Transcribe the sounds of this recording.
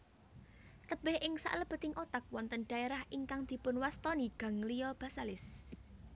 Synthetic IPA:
t̪əb̥ɛhʔɪŋsa̰ʔləb̥ə̤t̪ɪŋʔot̪ak̚wɔnt̪ənɖ̥ä̤eɾahʔiŋkaŋd̪̥i̤pʊnwast̪ɔniɡ̥ä̤ŋlijɔb̥a̤salɪs

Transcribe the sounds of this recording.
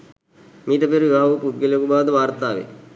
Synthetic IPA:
miːt̪ɐpeɾuʋibʱaːʋupuɖɡeljekubaːʋd̪əʋaːɾt̪aːʋḛ

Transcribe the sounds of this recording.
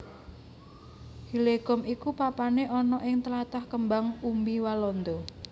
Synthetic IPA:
hileɡ̥ɔ̤mikupapaneʔɔnɔʔɪŋt̪əlat̪ahkəmbaŋumbiwalɔnd̪ɔ

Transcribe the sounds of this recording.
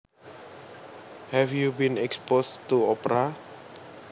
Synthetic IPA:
hɛfjubĩnɛkspost̪uɔpɾa

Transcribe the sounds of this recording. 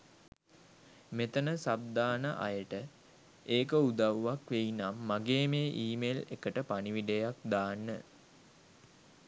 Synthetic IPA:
met̪ənəsab̚d̪aːnəʔa̰jəʈə | eːkəud̪aʋʋakʋeinamːaɡeːmeːʔiːmelekəʈəpaniʋiɖejakd̪aːnːə

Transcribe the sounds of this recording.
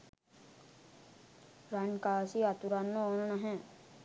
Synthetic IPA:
ɾankaːsiat̪uɾanːəoːnənaɦɛ̃

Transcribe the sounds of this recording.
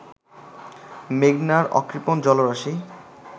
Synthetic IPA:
meɡnaɾɔ̰kɾipond͡ʑɔloɾaʃi

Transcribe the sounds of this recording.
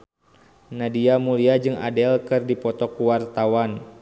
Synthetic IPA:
nadiamuliad͡ʒɨŋa̰dɛlkɨrdipɔt̪ɔkuwart̪awan

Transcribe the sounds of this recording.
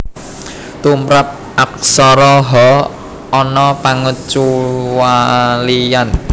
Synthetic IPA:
t̪umɾap̚ | ʔak̚sɔɾɔɦɔ | ɔnɔpaŋət͡ʃuwalijan

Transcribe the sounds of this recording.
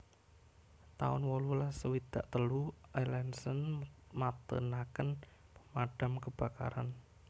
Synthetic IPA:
t̪aʊ̰nwolulasəwid̪̥aʔt̪əlualɛnsənmat̪ə̰nakənpəmaɖ̥a̤mkəb̥a̤ka̰ɾan

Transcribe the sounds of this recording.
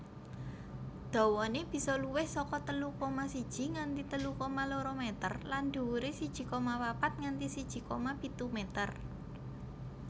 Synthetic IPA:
d̪̥ɔ̤wɔneb̥i̤sɔluwɪhsɔkɔt̪əlukomasid̥ʒ̥i̤ŋant̪it̪əlukomaloɾomet̪ə̰rland̪̥ṳwuɾesid̥ʒ̥i̤komawapat̪̚ŋant̪isid̥ʒ̥i̤komapit̪umɛt̪ər

